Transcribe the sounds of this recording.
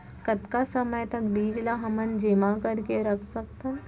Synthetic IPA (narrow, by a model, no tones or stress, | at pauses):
kɐt̪kasɐməjt̪ɐkbiːd͡ʒlaɦɐmənd͡ʒɪmakɐɾkeɾɐkʰsɐkt̪a